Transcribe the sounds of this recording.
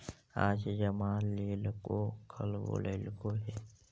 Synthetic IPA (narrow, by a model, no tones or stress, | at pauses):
aːd͡ʒd͡ʒəmaːlːeːlkokʰəlo̰lelkoɦeː